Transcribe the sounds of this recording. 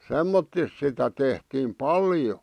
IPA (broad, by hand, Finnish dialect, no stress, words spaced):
semːotːis sitæ tehtiːm pɑljo